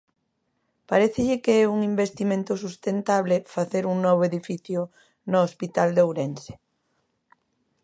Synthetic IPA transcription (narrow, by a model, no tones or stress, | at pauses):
paɾɛθeʎɪkeɛuŋimbest̪imẽnt̪ʊsust̪ent̪aβlɪfaθeɾuŋnɔβ̞oeðifiθjʊ | noospit̪ald̪owɾense̥